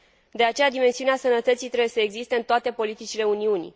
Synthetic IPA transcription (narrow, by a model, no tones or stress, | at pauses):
d̪e̞at͡ʃe̞jad̪ime̞nsiuneasənət̪ət̪sijt̪ɾe̞bujesəeɡzist̪eɨnt̪oat̪e̞po̞lit̪it͡ʃile̞uniunḭ